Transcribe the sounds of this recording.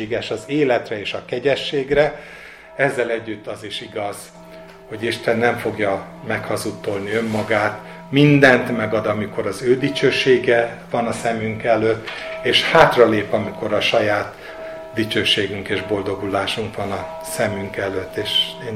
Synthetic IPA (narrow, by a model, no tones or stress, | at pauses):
ɡɛʃɒzeːlɛt̪rɛeːʃɒkɛɟɛʃːeːɡrɛ | ɛzːɛlɛɟːyt̪ːɒziʃiɡɒz̥ | ho̞ɟiʃt̪ɛnːɛɱfo̞ɡjɒmɛkhɒzut̪ːo̞lniø̞mːɒɡaːt̪ | mind̪ɛnt̪mɛɡɒd̪ɒmiko̞ɾɒzøːd̪it͡ʃøːʃeːɡɛvɒnɒsɛmyŋkɛløt̪ːeːʃhaːt̪rɒleːpɒmiko̞ɾɒʃɒjaːt̪ | d̪it͡ʃøːʃeːɡyŋkeːʒbo̞ld̪o̞ɡulaːʃuŋkʋɒnɒ | sɛmyŋkɛløt̪ːeːʃeː